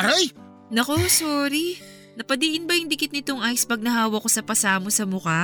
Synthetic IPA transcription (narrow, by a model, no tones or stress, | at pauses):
ɾaj | nɐko̞soːɾi | nɐpɐd̪iʔɪnbɐjʊŋd̪ɪkɪt̪nɪt̪oŋʔaːjɪspɐɡ̚nɐɦaːwɐkːo̞sɐpɐsaːmosɐmʊka